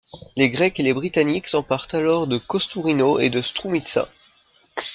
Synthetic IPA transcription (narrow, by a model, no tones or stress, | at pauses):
leɡʁɛkelebʁit̪aniksɑ̃paʁt̪alɔʁd̪əkɔst̪uʁinoḛd̪əst̪χumit̪sɛ̰̃